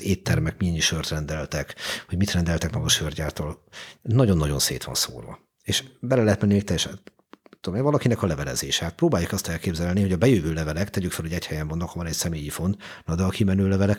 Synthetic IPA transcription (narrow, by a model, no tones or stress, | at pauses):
eːt̪ːɛrmɛkmiɛɲːiʃørt̪rɛnd̪ɛlt̪ɛkhoɟmit̪rɛnd̪ɛlt̪ɛkmɒɡɒʃørɟaːt̪oːlnɒɟo̞nːɒɟo̞̰nsḛːt̪ʋɒ̰nso̰ːrvɒ̰ | eːʃbɛlɛlɛɦɛt̪mɛnːimeːkt̪ɛjɛʃɛ | t̪ːud̪omevɒlɒkinɛkɒlɛvɛlɛ̰zeːʃɛːt̪̚proːbaːjːukɒst̪ɛlkeːbzɛlniho̞ɟɒbɛjøːvøːlɛvɛlɛkt̪ɛɟykfɛlhoɟɛchɛjɛmvnokhovɒnɛcsɛmeːjifo̞nt̪ | nɒd̪ɛɒkimɛnøːlɛvɛlɛk